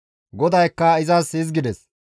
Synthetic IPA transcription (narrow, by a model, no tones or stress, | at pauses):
ɡɔd̪ɐjkːɐɪzɐsɪzɡɪd̪ɛs